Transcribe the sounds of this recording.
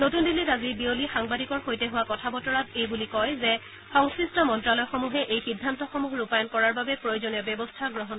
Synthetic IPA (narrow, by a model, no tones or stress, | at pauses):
notundilːitazibiolixaŋbadikɔɹxojtɛɦʊwakɔtʰabɔtɔɹatejbulikɔjzɛ | xɔŋskɹistɔmɔntɹalɔjxomuɦɛʔejxidʱːantɔxomuɦɹupajɔnkɔɹaɹbabɛpɹojozonijɔbjɛbɔstʰaɡɹɔɦɔn